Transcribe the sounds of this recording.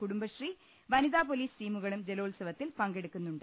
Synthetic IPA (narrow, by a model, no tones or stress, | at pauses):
kuɽumbɐɕri | ʋɐniðaːpoliːsʈiːmuɣɐɭumd͡ʑe̞lo̞ːlsɐʋɐt̪ːilpɐŋɡe̞ɽukːunːuɳɖ